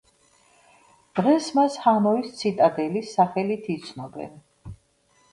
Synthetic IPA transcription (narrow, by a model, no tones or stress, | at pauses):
d̪̥ʁɛsmashanɔist̪sʰit̪ʼad̪ɛlisːaχɛlit̪ʰit̪sʰnɔbɛ̰n